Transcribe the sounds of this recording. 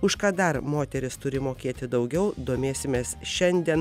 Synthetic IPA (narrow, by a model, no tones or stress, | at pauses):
ʊʃkɑːd̪ɐɾmoːt̪ʲɛɾʲɪst̪ʊɾʲɪmoːkʲeːt̪ʲɪd̪ɐʊɡʲɛʊd̪oːmʲeːsʲɪmʲeːsʃʲɛnʲd̪ʲiɛn